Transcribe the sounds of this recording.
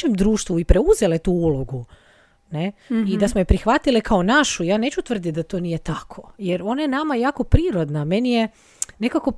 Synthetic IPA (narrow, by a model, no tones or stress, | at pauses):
emd̪ɾuːʃt̪ʋuipɾe̞uze̞let̪uːuloɡu | ne̞id̪asmojepɾixʋat̪ilikʰao̞naʃujaːne̞ːt͡ʃut̪ʋr̩d̪it̪̚d̪at̪oːnije̞t̪akʰojeɾo̞najenamajaːko̞pɾiːɾo̞d̪name̞nije̞ | ne̞kako